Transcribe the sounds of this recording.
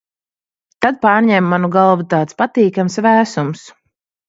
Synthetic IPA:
t̪ad̪̚paːɾɲʲɛmːanuɡalˠvut̪aːt̪spat̪iːkamsvæːsums

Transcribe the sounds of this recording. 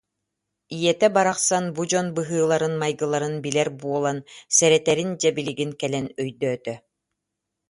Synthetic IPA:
ijɛt̪ɛbaɾaχsanbud͡ʑɔnbɯɦɯːlˠaɾɯnmajɡɯlˠaɾɯnbilɛɾbuɔlˠansɛɾɛt̪ɛɾind͡ʑɛbiliɡinkɛlɛnœjd̪œːt̪œ

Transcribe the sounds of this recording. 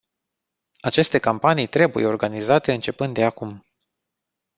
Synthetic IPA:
at͡ʃe̞st̪e̞kampanijt̪ɾe̞bujeo̞rɡanizat̪e̞ɨnt͡ʃe̞pɨnd̪d̪e̞akum

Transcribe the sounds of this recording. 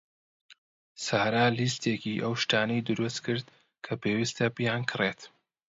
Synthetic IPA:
saːɾaːlist̪eːkiːʔɐwʃt̪aːnɐjd̪ɨɾust̪kʰɨɾd̪ | kʰɐpʰeːwist̪ʰɐbijaːnkʰɨret̪

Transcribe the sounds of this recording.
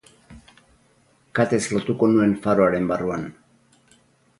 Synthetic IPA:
kat̪e̞slo̞t̪uko̞nue̞ɱfaɾoaɾe̞mbaruan

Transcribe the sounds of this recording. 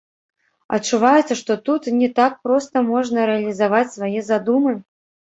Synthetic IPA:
ɐ̰tt͡ʂːuvajut̪sɐʂt̪ɔt̪ut̪nʲɛt̪ak̚pɾɔst̪ɐmɔʐnɐɾɛɐlʲizavat͡sʲsvajɛzad̪umɨ

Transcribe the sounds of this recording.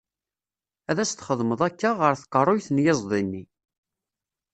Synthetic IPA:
æðæst̪χəðˤməðˤækːaʁəɾθə̥qːərˤːojθnjɪzˤðˤinːi

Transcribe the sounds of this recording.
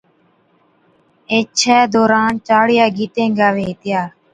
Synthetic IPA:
eːt͡ʃʰɛːd̪oːɾaːnt͡ʃaːɽɪjaːɡiːt̪ẽːŋɡaːʋeːt̪ɪjaː

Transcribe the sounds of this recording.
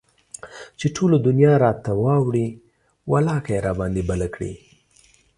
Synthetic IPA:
t͡ʃeʈʰolod̪ʊnjɑɾɑt̪awɑwɽi | walɑkajeɾɑbɑnd̪ibalakɽḭ

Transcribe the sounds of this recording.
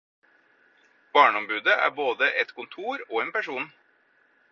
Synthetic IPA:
b̥ɑːɳəɔmbʉːd̪əʔæ̰ːboːd̪əʔɛt̪kʰʊnt̪ʰuːɾoːeːnpæʃuːn

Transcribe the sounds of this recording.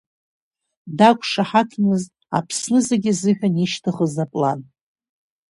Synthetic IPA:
dakʷʼʂaħakʰnɨz | a̰pʰsnɨzeɡʲɪzɨʒʲʷᶣaniʃtʰɨχəzapʼla̰n

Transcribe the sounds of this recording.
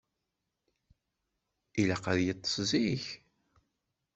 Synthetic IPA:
ilæqæðjət̪ˤːə̥sziç

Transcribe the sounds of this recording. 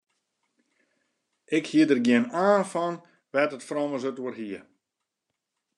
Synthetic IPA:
ʔɪkhiədərɡjɪənaːnfɔn | ʋɛtətfrɔməsøtuərɦiə

